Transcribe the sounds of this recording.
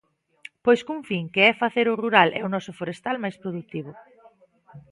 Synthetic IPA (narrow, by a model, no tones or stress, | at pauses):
pojskuŋfiŋkɪɛfaθeɾʊruɾalʔɛ̰ʊnɔsʊfoɾest̪almajspɾoðuk̚t̪iβʊ